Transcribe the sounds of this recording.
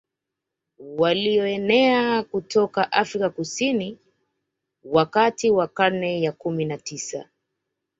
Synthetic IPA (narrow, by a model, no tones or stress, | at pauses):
waliɔɛnɛakutɔkaʔafɾikakusini | wakatiwakaɾnɛjakuminatisa̰